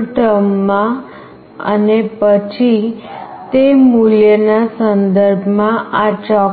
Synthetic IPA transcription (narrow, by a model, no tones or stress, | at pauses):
ʈəmːã | ə̰nepət͡ʃʰi | t̪emuljənasənd̪əɾbʱmãat͡ʃɔ